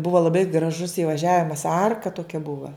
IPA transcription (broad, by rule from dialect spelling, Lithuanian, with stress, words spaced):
ˈbʊʋɐ ˈlˠɑːbɐɪ ɡrɐˈʒʊs iːʋɐˈʒʲæːʋʲɪmɐs ˈɐrkɐ toːˈkʲɛ ˈbʊʋɐ